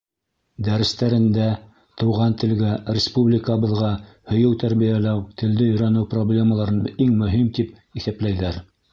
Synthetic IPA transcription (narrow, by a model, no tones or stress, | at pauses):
d̪æɾɘ̆st̪æɾɘ̆nd̪æ | t̪ɤ̆wʁɑnt̪ɘ̆lɡærʲɪspublʲɪkəbɤ̆ðʁɑ | hɵ̆jɘwt̪æɾβijælæwt̪ɘ̆ld̪ɘɵ̆jɾænɘwproblʲe̞məlˠɑɾɤniŋmɵ̆ɦimt̪ip̚ | iθæplæjðæɾ